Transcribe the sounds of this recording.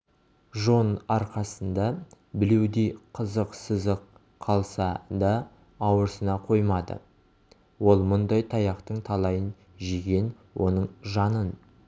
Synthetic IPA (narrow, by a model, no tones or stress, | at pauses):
ʒo̞nɑɾqɑsənd̪ɑ | bɪlewd̪ejqʰəzəqsəzəq | qʰːɑlˠsɑd̪ɑː | wəɾsənɑqʰo̞jmɑd̪ə̰ | wo̞lˠmʊnd̪ɑjt̪ʰɑjɑqt̪əɴt̪ʰɑlˠɑjən | ʒeɡʲe̞n | wʔo̞nəɴʒɑnən